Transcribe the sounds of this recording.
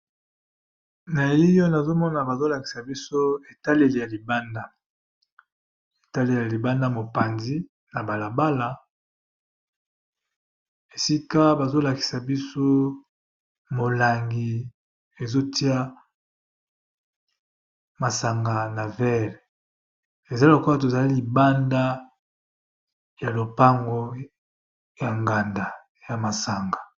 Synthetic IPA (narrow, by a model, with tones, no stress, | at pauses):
na˨i˦jo˦na˨zo˦mɔ˦na˨ba˨zo˦la˨ki̥˨sa˨bi˦so˦e˨ta˦le˨le˨ja˨li˨ba˦nda˦ | e˨ta˦le˨ja˨li˨ba˦nda˦mo˨pa˨nzi˦ | na˨ba˨la˨ba˦la˨ | e˨si˦ka˦ba˨zo˦la˨ki̥˨sa˨bi˦so˦ | mo˨la˨ŋɡi˨ | e˨zo˦ti˦a˦ | ma˨sa˨ŋɡa˨na˨vɛ˦˨l | e˨za˦lo˨ko˦a˦t̬o˨za˨li˦li˨ba˦nda˦ | ja˨lo˨pa˦ŋɡo˦ | ja˨ŋɡa˨nda˨ | ja˨ma˨sa˨ŋɡa˨